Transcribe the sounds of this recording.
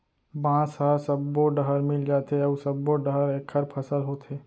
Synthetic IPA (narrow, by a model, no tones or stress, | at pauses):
bãːsasəbːoɖəɦəɾmɪld͡ʒaːt̪eɐbsəbːoɖəɦəɾeːkʰəɾpʰɐsəlɦoːt̪eː